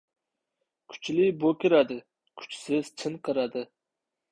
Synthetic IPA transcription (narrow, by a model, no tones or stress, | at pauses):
kʰʊ̥t͡ʃlɪbokʲɪɾad̪ɪ | kʰʊ̥t͡ʃsɪz̥t͡ʃʰɪnqʰɨɾad̪ɪ